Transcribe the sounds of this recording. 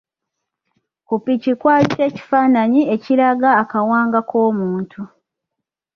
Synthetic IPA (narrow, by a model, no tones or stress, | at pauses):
kupicikwaːise̞ːci̥faːnaɲie̞ciɾaɡaːkawaːŋɡakʰo̞ːmuːntʰu